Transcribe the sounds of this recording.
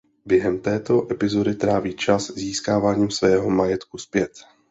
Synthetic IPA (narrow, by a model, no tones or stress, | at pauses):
bjɛɦɛmt̪ɛːt̪o̞ʔɛpɪzo̞dɪt̪ɾaːviːt͡ʃasziːskaːvaːɲiːmsvɛːɦo̞majɛt̪kuspjɛt̪